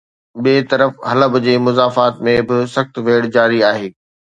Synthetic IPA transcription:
ɓeːt̪ɐɾəfɦɐləbd͡ʑeːmʊzaːfaːt̪mẽbɪsɐxt̪ʋeːɽd͡ʑaːɾiaːɦeː

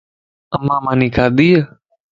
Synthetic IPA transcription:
əmːãːmãːniːkʰaːd̪iːə

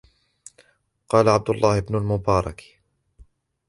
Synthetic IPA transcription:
qɑːlaʕab̚d̪ʊlˤːɑːhɪbnʊlmʊbɑːɾˤɑ̰k

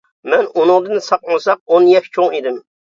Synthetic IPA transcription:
mɛnʊnʊŋd̪ɨnɨsɑqmɑsɑq̚onjɛʃt͡ʃʰoŋid̪ɪm

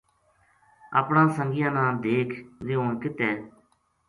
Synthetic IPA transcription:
a̰ːpɳãːsəŋɡɪjãːnãːd̪eːkʰzɪõːnkɪt̪ɛ̃ː

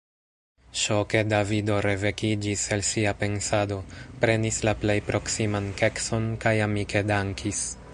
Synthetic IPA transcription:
ʃo̞ke̞davido̞ɾe̞ve̞kid͡ʒiselsiape̞nsado̞pɾe̞nislaplejpɾʔo̞ksimanke̞kso̞nkajamike̞daŋkʰis

